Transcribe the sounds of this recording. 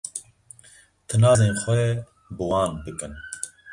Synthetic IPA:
t̪ʰɨnɑːzeːnxʷɛ | bɨwɑːnbɨkɨn

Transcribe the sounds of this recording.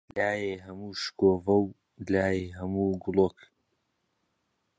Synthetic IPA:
laːjeɦɐmuːʃkoːvɐw | laːjeɦɐmuːɡʊlok

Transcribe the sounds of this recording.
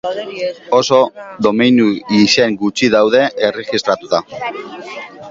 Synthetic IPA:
o̞so̞ðo̞minuise̞ŋɡut͡ʃiðawðe̞ʔereɣist̪ɾat̪ut̪a

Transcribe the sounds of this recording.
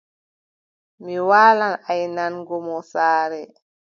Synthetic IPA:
miwaːlanajnanɡɔmɔsaːɾɛ

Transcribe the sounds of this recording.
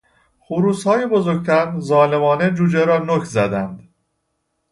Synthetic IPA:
xuɾuːshɒːjebo̞zoɡ̚t̪ʰæɾzɒːle̞mɒːned͡ʒuːd͡ʒeɾɒːnocʰzæd̪ænd̪̥

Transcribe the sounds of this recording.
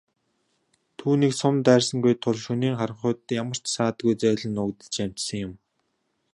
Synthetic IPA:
t̪ʰuːniːksʊmt̪æːrsə̆ŋɡujt̪ʰʊɮʃɵniːŋχaɾə̆ɴχʊːt̪jamə̆r̥t͡ɕsaːt̪ɡujt͡sæːɮə̆nʊkt̪ə̥̆t͡ɕam̥t͡ɕsə̆ŋjʊm

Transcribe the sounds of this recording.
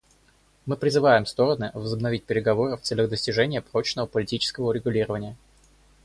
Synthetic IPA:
mɨpɾʲɪzɨvajɪmst̪o̞ɾənɨvəzəbnɐvʲitʲpʲɪɾʲɪɡɐvo̞ɾɨft̪sɛlʲəɣd̪əsʲtʲɪʐɛnʲɪjəpɾo̞t͡ɕnəvəpəlʲɪtʲit͡ɕɪ̥skəvəʊɾʲɪɡʊlʲiɾəvənʲɪjə

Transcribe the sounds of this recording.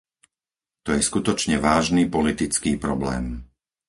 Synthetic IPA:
t̪ɔjɛskut̪ɔt͡ʃɲɛʋaːʒniːpɔlit̪it͡skiːpɾɔblɛ̰ːm

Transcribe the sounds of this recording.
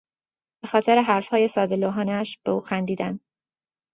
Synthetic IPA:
b̥e̞xɒːt̪ʰe̞ɾeɦæɾfhɒːje̞sɒːd̪eloɦɒːnæʃb̥euːxænd̪iːd̪æn

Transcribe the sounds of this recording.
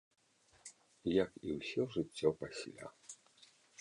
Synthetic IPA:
jɐkiwsʲɔʐɨt͡sʲːɔpasʲlʲa̰

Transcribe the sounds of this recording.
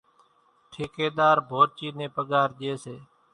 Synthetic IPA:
ʈʰɪkeːɗ̪aːɾbʱoːɾt͡ʃiːnẽːpəɠaːɾʄeːseː

